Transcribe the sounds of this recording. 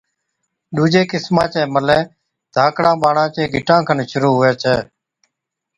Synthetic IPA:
ɗuːd͡ʒeːkɪsmãːt͡ʃɛːməlẽː | d̪ʱaːkɽãːɓaːɳãːt͡ʃẽːɡʱɪʈãːkʰənʃʊɾuːɦʊeːt͡ʃʰɛː

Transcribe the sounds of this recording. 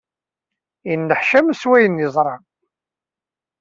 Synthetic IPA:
jənːəħʃæmswæjənɪzˤɾˤɑ

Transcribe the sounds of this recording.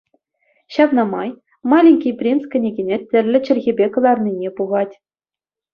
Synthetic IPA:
ɕɑpnɑmɑj | mɑlʲinʲkʲijprʲinskʲɘ̆nʲeɡʲenʲetʲːɘ̆rʲlʲɘ̆t͡ɕɘ̆rʲɣʲebʲekɤ̆lˠɑrnʲinʲepuʁɑtʲ

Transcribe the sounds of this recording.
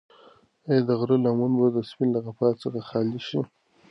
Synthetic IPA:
ed̪əɣɾəlamunbad̪əspɪnlaɣapɑtt͡səxaxɑliʃi

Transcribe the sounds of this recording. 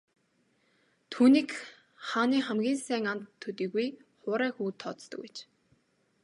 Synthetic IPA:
t̪ʰuːniːk | χaːniːχæmɡʲiːnsæːŋant̪ʰːɵt̪iːɣujχʊːɾæːxuːt̪ʰːɔt̪t̪ə̆ket͡ɕ

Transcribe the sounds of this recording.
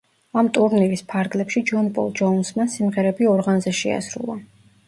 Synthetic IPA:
amt̪ʼuɾnivispʰaɾɡlɛpʃid͡ʒɔnpʼɔ̰lˠd͡ʒɔnsmasimʁɛɾɛbiɔɾʁanzɛʃɛ̰a̰sɾṵlˠa

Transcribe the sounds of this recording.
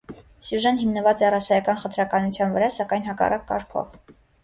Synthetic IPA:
sjuʒɛnɦimnəvɑt͡sɛrɑsɑjɑkɑnχənt̪ʰɾɑkɑnut͡sʰjɑnvəɾɑsɑkɑjn̪ɦɑkɑ̰rʔɑkːɑ̰ɾkʰɔ̰v

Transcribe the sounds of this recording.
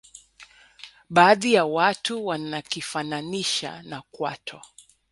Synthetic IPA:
ɓaːðijawatuwanakifananiʃa̰nakwa̰tʰɔ̰

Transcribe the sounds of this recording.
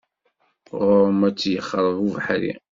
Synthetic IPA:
ʁɾmæt͡sːjəχːɾˤəʁuvħɾḭ

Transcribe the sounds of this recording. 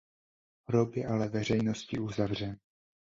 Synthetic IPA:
ɾopjɛʔalɛvɛr̝ɛjno̞scɪʔuzavr̝ɛn

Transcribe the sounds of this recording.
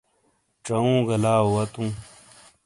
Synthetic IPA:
ʈ͡ʂɐũːɡɐlaːwɐt̪ũː

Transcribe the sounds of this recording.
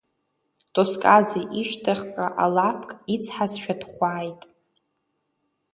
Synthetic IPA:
tʼoskʼazeʔiʃtʰaχʲkʷʼa̰ʔalapʰkʼit͡sʰħasʃᶣadχʷaːjtʼ

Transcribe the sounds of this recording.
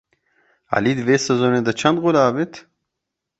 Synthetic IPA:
a̰lid̪veːsɐzoːned̪ɐt͡ʃʰɐnd̪ʁolaːvet̪

